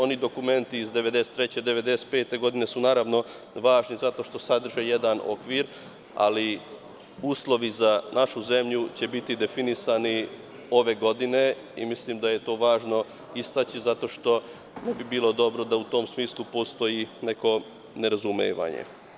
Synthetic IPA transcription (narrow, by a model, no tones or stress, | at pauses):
o̞nid̪o̞kume̞nt̪iːzd̪e̞ʋed̪e̞se̥t̪ːɾet͡ɕed̪e̞ʋe̞d̪e̞se̥t̪̚pe̞ːt̪e̞ɡo̞d̪ine̞sunaːɾaʋno̞ | ʋaːʒnizat̪o̞ʃt̪o̞sad̪r̩ʒeje̞d̪ano̞̰kʋiɾ | a̰li | uːslˠo̞ʋizanʔaʃuze̞mʎut͡ɕe̞bit̪id̪e̞finisani | o̞ʋe̞ɡo̞d̪ine̞ | ḭmislimd̪aje̞t̪o̞ːʋaːʒno̞ | ist̪at͡ɕizat̪o̞ːʃt̪o̞ | ne̞bibiːlˠo̞d̪o̞bɾo̞d̪aut̪o̞msmiːslˠupo̞st̪o̞jine̞ko̞ | ne̞ɾazumḛːʋa̰ɲḛ